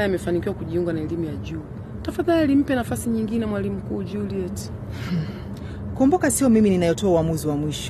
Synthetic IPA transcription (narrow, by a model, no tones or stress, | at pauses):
aamɛfanikiwakuʄiuŋɡanaɛlimujaʄuː | tafaðalim̩pɛnafasiɲiŋɡinɛmwalim̩kuːʄuliɛt | kuɔmbɔkasiɔmimininajɔtɔauwamuziwamwiʃɔ̥